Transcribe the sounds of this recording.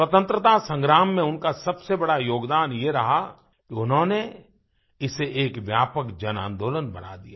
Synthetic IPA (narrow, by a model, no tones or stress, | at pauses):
swɐt̪ə̃nt̪ɾət̪asə̃ŋɡɾaːmːẽʊnkasɐbsebɐɽajoːɡd̪aːnjeɾɐɦa | kiʊnɦõne | ɪseʔeːkʋjaːpəkd͡ʒɐnã̰ːnd̪oːlənbɐ̰na̰d̪ijaː